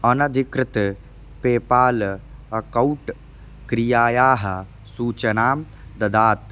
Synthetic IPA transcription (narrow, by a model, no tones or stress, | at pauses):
ɐnɐd̪ʱikɾɪt̪ | peːpaːlɐkɐwʈ | kɾijaːjaːɦɐ | suːt͡ʃɐnaːm | d̪ɐd̪aːt̪